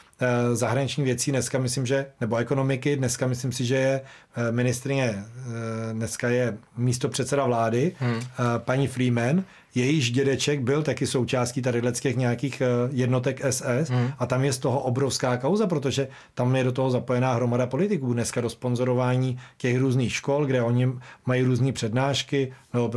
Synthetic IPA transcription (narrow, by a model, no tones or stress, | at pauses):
zaɦɾaɲɪt͡ʃɲiːvjɛt͡siːnɛskamɪslimʒɛnɛbo̞ɛko̞no̞mɪkɪdnɛskamɪslimsɪʒɛjɛ | mɪnɪst̪ɾɪɲɛ | dnɛskajɛmiːs̬t̪o̞pr̝̥ɛt̪t͡sɛdavlaːdɪ | paɲiːfɾiːmɛn | jɛjɪʒɟɛdɛt͡ʃɛɡbɪlt̪akɪso̞wt͡ʃaːscit̪adɪdlɛt͡scɛxɲɛjakiːxjɛdno̞t̪ɛkʔɛsɛsʔat̪amjɛst̪oɦo̞ʔobɾofskaːkawzap̬ɾo̞t̪̬o̞ʒɛ | t̪amjɛdo̞t̪o̞ɦozapo̞jɛnaːɦɾo̞madapo̞lɪt̪ɪkuːdnɛskado̞spo̞nzo̞ɾovaːɲiːcɛxɾuːzniːxʃkolɡdɛʔo̞ɲɪmajiːɾuːzniːpr̥ɛdnaːʃkɪno